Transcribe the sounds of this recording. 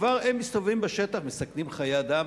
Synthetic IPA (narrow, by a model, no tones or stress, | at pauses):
vaʁemːist̪ovimbeʃet̪aχmesaknimχajed̪am